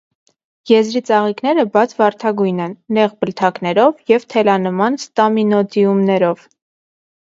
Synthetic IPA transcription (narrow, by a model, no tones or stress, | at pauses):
jɛzɾit͡sɑʁiknɛɾəbɑt͡sʰvɑɾt̪ʰɑɡujnɛnːɛʁbəlt̪ʰɑknɛɾɔvjɛvt̪ʰɛlɑnəmɑnst̪ɑminɔd̪iumnɛɾɔv